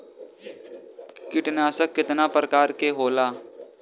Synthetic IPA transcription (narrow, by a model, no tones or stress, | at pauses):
kɪʈnaːsəkːɪt̪napɾəkaːɾkeɦoːlaː